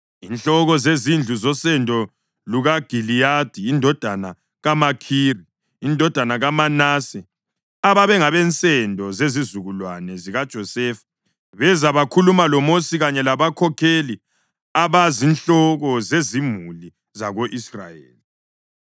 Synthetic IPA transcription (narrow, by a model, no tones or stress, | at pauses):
inɬɔɣɔzezind͡ɮʱuzɔsɛndʱɔ | luɣaɡ̥ʱilijad̥ʱiːndʱɔd̥ʱana | ɣamakʰiriː | ndʱɔd̥ʱanaɣamanasɛ | aβaβɛŋaβɛnt͡sʼɛndʱɔzezizuɣulwanɛziɣad̥ʒ̥ʱɔsɛfḁ | βɛzaβakʰulumalɔmosiɣaɲɛlaβakʰɔkʰeli | aβazinɬɔɣɔzezimuli | zaɣoʔisra̰jḛːli